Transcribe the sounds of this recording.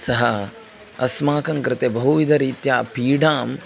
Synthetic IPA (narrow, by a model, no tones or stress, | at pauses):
sɐɦɐ | ɐsmaːkɐŋkɾɪt̪ebɐɦuʋid̪ʱɐɾiːt̪jaːpiːɽaːm